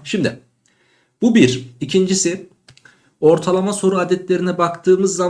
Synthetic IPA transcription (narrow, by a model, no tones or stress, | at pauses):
ʃimd̪ɪ | bubiɾicʰind͡ʒisi | o̞ɾt̪ʰalˠamaso̞ɾuad̪ɛt̪lʲe̞ɾinɛbakt̪ʰɯːmɯzːa